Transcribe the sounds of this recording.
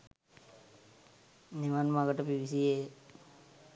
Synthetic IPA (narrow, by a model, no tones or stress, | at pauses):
niʋanmaɡəʈəpiʋisie